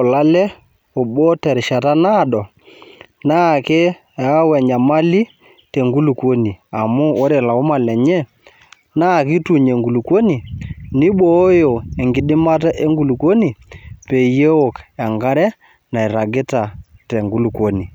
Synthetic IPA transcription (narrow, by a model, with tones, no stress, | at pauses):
o˨la˦lɛ˦ | o˨ɓo˦tɛ˨ɾɪ˨ʃa˨ta˦na˦˨dɔ˨ | na˦˨kɪ˦˨˦ | wɛ˨ɲa˨ma˦li˦ | te˨ŋɡu˦lu˨kwo˦ni˨a˨mʊ˦o˦ɾɛ˨la˨o˦ma˨lɛ˨ɲɛ˦ | na˦˨kɪ˦tu˨ɲe˨ŋɡu˨lu˨kwo˦ni˨nɪ˦ɓo˦jo˨e˨ŋɡɪ˨˦ɗɪ˦ma˦t̬a˦ʔe˦ŋɡu˨lu˨ko˦ni˨pe˨je˦o˨ka˨ŋɡa˦ɾɛ˦ | na˨i˨ɾa˨ɡɪ˦ta˨tɛ˨ŋɡu˦lu˨kwo˦ni˨